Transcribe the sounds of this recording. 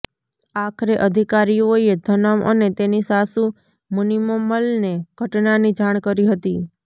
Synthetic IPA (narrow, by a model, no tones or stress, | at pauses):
akʰɾeʔəd̪ʱikaɾiojed̪ʱənamʔə̰net̪enisasu | munimoməlneɡ̥ʱəʈnanid͡ʒaɳ̃kəɾiɦət̪i